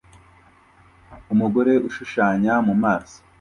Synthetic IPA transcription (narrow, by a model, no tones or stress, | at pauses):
umuɡo̞ɾe̞ʔuʃuʃaːɲamumaːso̥